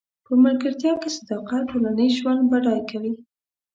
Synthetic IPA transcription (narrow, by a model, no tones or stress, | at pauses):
pəmaɾkəɾt̪jɑkesad̪ɑqat̪̚ʈolanəjʒwand̪baɽɑjkawi